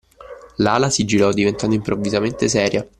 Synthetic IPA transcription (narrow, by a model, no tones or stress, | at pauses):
laːlasid͡ʒiɾɔd̪ivent̪and̪oimpɾʔovːizament̪es̬ɛːɾja